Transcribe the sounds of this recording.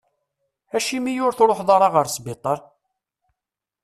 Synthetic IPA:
æʃimijʊɾθɾˤoħðˤɑɾˤɑʁəɾsbɪt̪ˤəɾˤ

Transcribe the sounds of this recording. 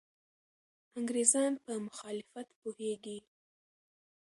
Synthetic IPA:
aŋɡɾezɑnpəmʊxɑlɪfat̪poheɡi

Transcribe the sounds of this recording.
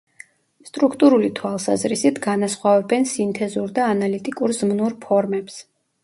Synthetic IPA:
st̪ʼɾukʰt̪ʼuɾulit̪ʰwalˠsa̰zɾisit̪ʰɡanasχwavɛbɛnsint̪ʰɛzuɾd̪aːnalit̪ʼikʼuɾzmnuɾpʰɔɾmɛps

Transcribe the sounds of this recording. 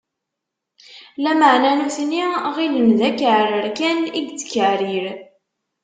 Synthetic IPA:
læməʕnænuθniʁilənðækəʕɾəɾkæniɡt͡sːə̥kːəʕɾiɾ

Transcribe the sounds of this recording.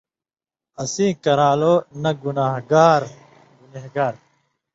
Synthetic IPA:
ɐsĩːkɐɾaːloːnɐɡunaːɦɡaːɾ | ɡuneɦɡaːɾ

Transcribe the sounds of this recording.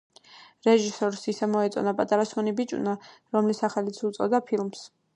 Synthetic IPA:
ɾɛʒisɔɾsisɛmɔɛt̪sʼɔ̰napʼat̪ʼaɾasɔnibit͡ʃʼṵnaɾɔmlisaχɛlit̪sʰut̪sʼɔ̰d̪apʰilms

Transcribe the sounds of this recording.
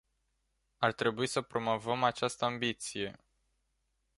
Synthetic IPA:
art̪ɾe̞buisəpɾo̞mo̞vəmat͡ʃast̪əambit̪sije̞

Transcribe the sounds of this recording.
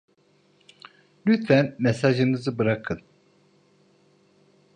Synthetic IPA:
lʲyt̪fænmesaʒɯnɯzɯbɯɾakʰɯn

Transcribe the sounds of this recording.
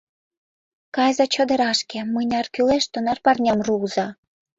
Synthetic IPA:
kɑjzɑt͡ɕɤ̆d̪ə̆ɾɑʃkĕmɤjnʲɑrkyleʃt̪onɑrpɑrnʲɑmruzɑ

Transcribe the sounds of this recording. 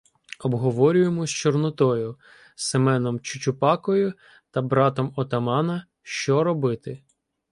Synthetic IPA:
ɔbɦɔʋɔɾʲʊjemɔsʲt͡ʃɔrnɔt̪ɔjʊ | semɛnɔmt͡ʃʊt͡ʃʊpɑkɔjʊ | t̪ɐbɾɑt̪ɔmɔt̪ɐmɑnɐ | ʃt͡ʃɔɾɔbɪt̪ɪ

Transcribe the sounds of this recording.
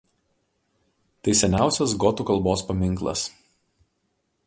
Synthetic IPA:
t̪ɐɪsʲɛnʲæˑʊsʲɛsɡɔt̪uːˑkɐlˠboːspɐmʲɪŋˑklˠɐ̰s

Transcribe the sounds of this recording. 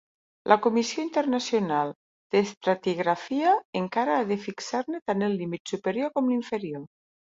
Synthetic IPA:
lʔakomisioint̪eɾnasjonalˠ | d̪̥est̪ɾat̪iɣɾafiaeŋkaɾaːðefiksaɾnet̪anelːimit̪supeɾjoɾkomliɱfeɾjo

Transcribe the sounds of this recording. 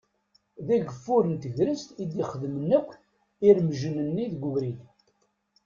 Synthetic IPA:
ðæɡəfːʊɾənt̪əʝɾəst̪id̪iχəðmənːəkʷː | iɾmʒənənːiðɡʷəvɾi

